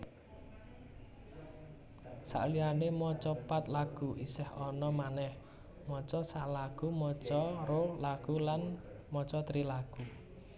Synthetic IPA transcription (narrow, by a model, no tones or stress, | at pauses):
sa̰ʔlianemɔt͡ʃɔpat̪laɡ̥uʔisɛhɔnɔmanɛh | mɔt͡ʃɔsalaɡ̥umɔt͡ʃɔɾolaɡ̥ulan | mɔt͡ʃɔt̪ɾilaɡ̥u